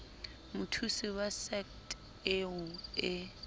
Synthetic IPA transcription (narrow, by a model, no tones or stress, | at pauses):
mʊtʰusiwasɛkt | ɪʊɪ